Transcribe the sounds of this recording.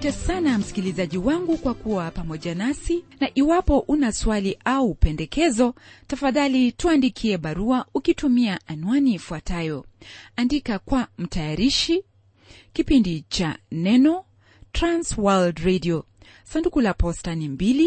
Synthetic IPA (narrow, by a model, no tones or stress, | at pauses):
tɛsanam̩si̥kilizaʄiwaŋɡukwakuwapamɔʄanasinaʔiwapɔʔunaswaliʔaupɛndɛkɛzɔtafaðalituandikʰiɛɓaɾuaukitumiaʔanwanifuatajɔandikakwam̩tajaɾiʃi | kipindit͡ʃa̰nɛnɔ | tɾanswaldɾɛdiɔ | sandukulapɔstanimbili